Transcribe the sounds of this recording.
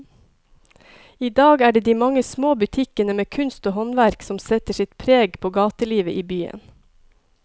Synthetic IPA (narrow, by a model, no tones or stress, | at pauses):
iːd̪ɑːɡæːɖeːd̪iːmɑŋəsmoːbʉt̪ʰɪkənəmeːkʰʉnst̪oːhɔnʋæɾksɔmsɛt̪əʃɪt̪pʰɾeːɡpʰoːɡɑːt̪əliːʋəʔiːbyːə̰n